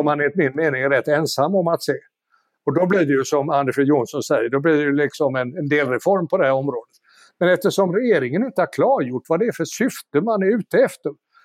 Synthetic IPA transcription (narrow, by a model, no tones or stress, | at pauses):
ɔmhanɪnt̪mɪnːmeːnɪŋɾɛt̪ːɛnsamːɔmat̪seː | ɔd̪ɔbliːɖɛjɵsɔmand̪əfɪjuːnsɔnsɛjːəɖɔbliːɖɛjɵlɪksɔmɛnɛnd̪eːlɾɛfɔɾmpʰɔd̪ɛhæɾɔmɾoːd̪ət̪ | mɛnɛft̪əʂɔmɾɛjeːɾɪŋənɪnt̪əhaɾkʰlɑːɾjʊʈːvad̪ɛːfœʂʏft̪əmanæɾʉ̟ːt̪əɛft̪əɾ